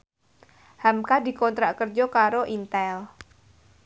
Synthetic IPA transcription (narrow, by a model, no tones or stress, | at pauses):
hamkad̪i̤kɔnt̪ɾaʔkərd͡ʒɔkaɾoʔint̪ɛl